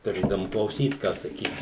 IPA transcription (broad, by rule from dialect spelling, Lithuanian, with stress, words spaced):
tʊˈrʲeːdɐʋʊm klˠɐʊˈsʲiːt kɑː sɐˈkʲiːt